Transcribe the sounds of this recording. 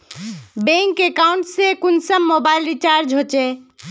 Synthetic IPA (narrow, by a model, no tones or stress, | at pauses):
bẽŋkekauɳʈsẽkunsəmːobailɾit͡ʃaɾd͡ʒɦot͡ʃɛ